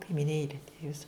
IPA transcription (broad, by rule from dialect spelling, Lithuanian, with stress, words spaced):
kɐɪmʲɪˈnʲeːlʲɪ ˈjɪs